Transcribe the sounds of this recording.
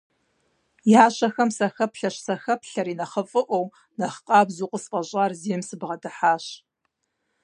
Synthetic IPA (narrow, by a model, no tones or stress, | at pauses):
jaːɕɐxɐmsɐxɐpɬɐɕsɐxɐpɬɐɾiːnɐχəfʼɨʔʷow | nɐχqʼɑːbzuːqʷʼəspʼɐʑʼaːrziːmsɨbʁɐdɨħaːɕ